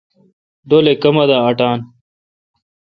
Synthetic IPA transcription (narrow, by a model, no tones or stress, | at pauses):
ɖoːlekɐmɐd̪aːɐʈaːn